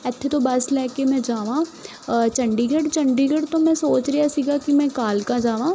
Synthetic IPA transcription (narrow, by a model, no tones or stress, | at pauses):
ɛt̪ʰːet̪obɐslɛːkemɛ̃d͡ʒaːʋãː | t͡ʃɐ̃ɳɖiɡəɽt͡ʃɐ̃ɳɖiɡəɽt̪omɛ̃soːt͡ʃɾɐjasiːɡakimɛ̃kaːlkãd͡ʒaːʋãː